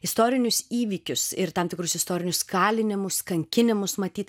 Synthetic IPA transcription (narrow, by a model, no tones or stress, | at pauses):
ɪst̪oːɾʲɪnʲʊsiːʋʲiːkʲʊsɪɾt̪ɑːmt̪ʲɪkɾʊsɪst̪oːɾʲɪnʲʊskɑːlʲɪnʲɪmʊskɐŋʲkʲɪnʲɪmʊsmɐt̪ʲiːt̪